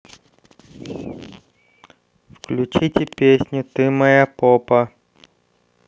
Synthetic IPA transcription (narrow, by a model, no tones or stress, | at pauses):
fklʲʉt͡ɕitʲɪpʲesʲnʲʊt̪ɨmɐjapopɐ